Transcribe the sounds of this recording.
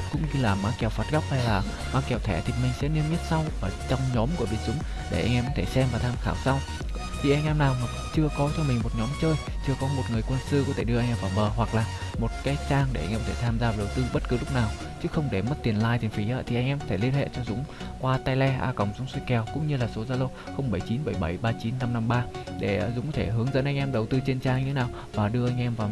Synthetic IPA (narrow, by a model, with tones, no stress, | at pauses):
kʊ̰˧˥ŋ͡mɲɨ˧laː˨˩maː˨˦kɛ˨˩wfaː˨˩t̚ɣa˦˥k͡p̚ha˧jlaː˨˩ | maː˨˦kɛ˨˩wt̪ʰɛ˧˩t̪ʰi˨˩mï˨˩ŋ̟sɛ̰˧˥ni˧əmɲ˦˥t̚sa˧wʔəː˧˩t͡ɕɔ˧wŋ͡mɲɔ˨˦mku˧˩əvi˧˩ənzʊ˨˦ŋ͡m | ɗe˧˩ʔa̰˧jŋ̟ʔɛ˧mkɔ˨˦t̪ʰe˧˩sɛ˧mvaː˨˩t̪ʰaː˧mxaː˧˩wsa˧w | t̪ʰi˨˩ʔɛ˧ŋ̟ʔɛ˧mnaː˨˩wma˨˩t͡ɕɨ˧əkɔ˨˦t͡ɕʰɔ˧ŋ͡mmï˨˩ŋ̟mo˨˩t̚ɲɔ˨˦mt͡ɕəː˧j | t͡ɕɨ˧əkɔ˨˦mo˨˩t̚ŋɨ˨˩əjkwə˧nsɨ˧kɔ˨˦t̪ʰe˧˩ɗɨ˧əʔŋʔɛ˧mvaː˧˩mɓəː˨˩ɦwa˨˩k̚laː˨˩mo˨˩t̚kaː˨˦jt͡ɕaː˧ŋe˧˩ʔa˧jŋʔɛ˧kɔ˧t̪ʰe˧˩t̪ʰaː˧mzaː˧va˨˩ɗə˨˩wt̪ɨ˧ɓə˦˥t̚kɨ˨˦lʊ˦˥k͡p̚naː˨˩w | t͡ɕɨ˦˥xə˧wŋ͡mɗe˧˩mə˦˥t̚t̪i˨˩ənlaː˧jt̪ʰi˨˩ŋfi˨˦ʔaː˧˦t̪ʰi˨˩ʔa˧jŋʔɛ˧mkɔ˨˦t̪ʰe˧˩li˧ənhḛ˧˨t͡ɕɔ˧zʊ̰˨˦ŋ͡mkwaː˧t̪aː˧jlɛ˧ʔa̰ː˧kə̰˧˨˩wŋ͡mzʊ˨˦ŋ͡mswi˧kɛ˨˩wkʊ̰˧˥ŋ͡mɲɨ˧laː˨˩so˨˦zaː˧lo˧ | xə˧wŋ͡mɓə˧˩jt͡ɕi˨˦nɓə˧˩jɓə˧˩jɓaː˧t͡ɕi˨˦nːa˧mna˧mɓaː˧ɗe˧˩˨zʊ˨˦ŋ͡mkɔ˨˦t̪ʰe˧˩ɦɨ˨˦əŋzə̰˧˥nʔa˧jŋ̟ʔɛ˧mɗə˨˩wt̪ɨ˧t͡ɕe˧nt͡ɕaː˧ŋɲɨ˧e˦naː˨˩w | vaː˨˩ɗɨ˧əʔa˧jŋ̟ʔɛ˧mvaː˨˩w